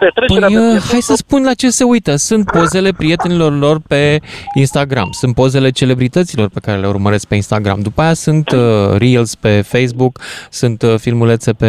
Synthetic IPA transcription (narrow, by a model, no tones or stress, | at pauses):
pet̪ɾepəjhajsəspunlat͡ʃe̞se̞ujt̪əsunt̪̚po̞ze̞le̞pɾije̞t̪e̞nilo̞rlo̞rpe̞inst̪aɡɾa̰msunt̪̚po̞ze̞le̞t͡ʃe̞le̞bɾit̪ət̪silo̞rpe̞kaɾe̞le̞ṵrməɾe̞sk̚pe̞inst̪aɡɾa̰md̪upaajasunt̪ɾilspe̞fejs̬buksunt̪filmulet̪se̞pe